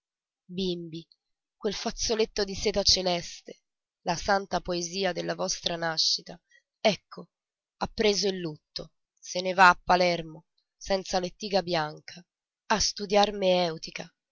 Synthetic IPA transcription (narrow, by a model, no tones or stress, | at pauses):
bimbi | kwelfat̪sːolet̪ːod̪iseːt̪at͡ʃelɛst̪e̥ | lasant̪apoeziːad̪elːavɔst̪ɾanaʃːit̪a | ɛkʰːo | apːɾeːzoilːut̪ːo | senevaːpːalɛrmo | sɛnt̪salet̪ːiːɡabjaŋkʰa | ast̪ud̪jarmeɛwt̪ika